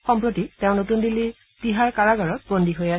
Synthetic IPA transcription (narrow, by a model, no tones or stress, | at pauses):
xɔmpɹotitẽʊ̃notundili | b̥iɦaɹkaɹaɡaɹɔt̚bondiɦoja